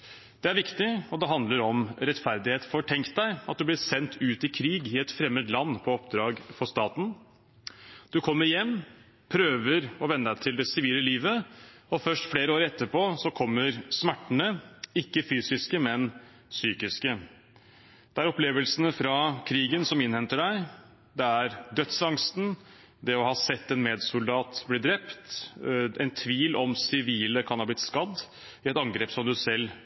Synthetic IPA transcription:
d̪̥ɛæɾʋɪkt̪ɪɔd̪ɛɦɑnd̪ləɾɔmɾɛt̪fæɾd̪ɪheːt̪fɔʈʰɛŋkt̪̚d̪æɪɑt̪̚d̪ʉblɪsɛnt̪ʰʉːt̪ɪkʰɾiːɡɪɛt̪fɾɛmːəd̪lɑnːpʰɔɔpd̪ɾɑːɡfɔst̪ɑːt̪n̩ | d̪̥ʉkʰɔmːəɾɪjɛmː | pʰɾøːʋəɾɔʋɛnːəd̪æt̪ʰɪld̪ɛsɪʋiːləliːʋəɔfœʂʈfleːɾəoːɾɛt̪ːəpʰoːsɔkʰɔmːəɾsmæʈːəɳəɪkːəfyːsɪskəmɛn | syːkɪskə | d̪̥ɛæɾɔpleːʋəlsənəfɾɑkʰɾiːɡənsɔmɪnhɛnt̪əɖæɪ | d̪ɛæɾd̪œt̪sɑŋst̪n̩ | d̪ɛɔhɑːsɛt̪ːɛnmeːd̪sʊld̪ɑːt̪blɪd̪ɾɛpt̪ | ɛɪnt̪ʰʋiːlʔɔmsɪʋiːləkʰɑnhɑːblɪt̪skɑd̪ː | ɪɛt̪ɑŋɡɾeːpsɔmd̪ʉsɛlː

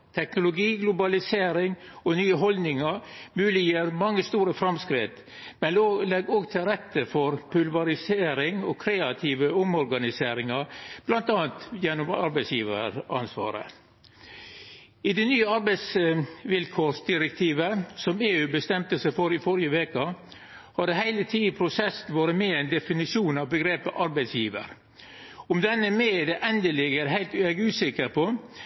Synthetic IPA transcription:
t̪ʰɛknʊlʊɡiːɡlʊbɑlɪseːɾɪŋɔnyːəɦɔlnɪŋɑɾmʉːlɪjeːɾmɑŋːəst̪uːɾəfɾɑmskɾɪt̪ | mɛnloːlɛɡɔːɡt̪ʰɪɾɛt̪ːəfɔɾpʰʉlʋɑɾɪseːɾɪŋɔkʰɾeːɑt̪ʰiːʋəʊmɔɾɡɑnɪseːɾɪŋɑb̥lɑnt̪ɑːənt̪jɛnːʊmɑ̰ɾbæɪsjiːʋə̰ɾɑ̰nsʋɑ̰ːɾə̰ | ɪd̪ɛnyːəɑɾbæɪsʋɪlkʰoːʂd̪ɪɾɛk̚t̪ʰiːʋəsɔmeːʉːbəst̪ɛmt̪əsæɪfɔɾɪfɔɾjəʋeːkə | hɑd̪əhæɪlət̪ʰiːpʰɾʊsɛsnʋɑːɾəmeːɛɪnd̪ɛfɪnɪʂuːnɑʋbəɡɾeːpəʔɑɾbæɪsjiːʋə̰ɾ | ɔmd̪ɛnːəmeːd̪ɛʔɛnd̪əlɪɡəɾɦæɪlt̪ɛɡʉːsɪkːəɾpʰɔ

